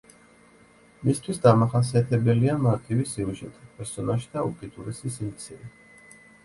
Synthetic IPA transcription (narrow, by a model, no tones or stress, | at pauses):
mist̪ʰwisd̪amaχas̬iat̪ʰɛbɛliamaɾt̪ʰʼivisiuʒɛt̪ʼipʼɛɾsɔnaʃi̥d̪aukʼit̪ʼuɾɛsisimt̪sʰiɾɛ